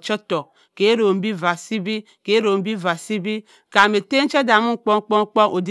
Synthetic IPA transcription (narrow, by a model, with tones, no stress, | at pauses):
t͡ʃo˦to˨ | ke˨˦ɾo˨m̩˦bi˦va˨si˦bi˦ | ke˨˦ɾo˨m̩˦bi˦va˨si˦bi˦ | ka˨me˨te˦n̩˦t͡ʃe˦da˨mu˦ŋ̩˦k͡po˦ŋ˦k͡po˦ŋ̩˦k͡po˦ʔo˨di˦